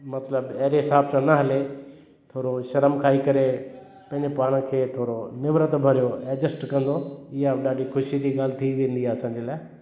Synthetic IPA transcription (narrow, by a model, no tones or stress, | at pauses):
mɐt̪ləbɐɦɾeɦɪsaːb̚sãnɐɦɐle | t̪ʰoːɾoʃɐɾəmkʰaːikɐɾe | pɐ̃ɦɪ̃ɲd͡ʑepaːɽ̃kʰeːt̪ʰoːɾonɪʋɾət̪bʱɐɾijoɛːd͡ʑəsʈkɐ̃nd̪oɪjaɗaːɖixʊʃid͡ʑiɡaːlɪt̪ʰiʋẽːn̆d̪iaɐsãːɲd͡ʑelaː